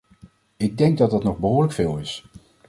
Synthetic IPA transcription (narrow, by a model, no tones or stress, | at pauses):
ɪɡ̚dɛŋɡ̚dɑtdɑtnɔχbəɦʊːɹləkfɪːlˠɪs